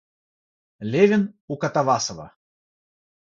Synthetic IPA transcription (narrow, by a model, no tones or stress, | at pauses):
lʲevʲɪnukɐt̪ɐvasəvə̰